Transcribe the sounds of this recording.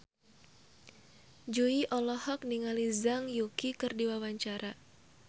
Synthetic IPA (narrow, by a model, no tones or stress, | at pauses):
d͡ʒuiʔɔlɔhɔk̚niŋalizaŋjukikɨrdiwawaɲt͡ʃaɾa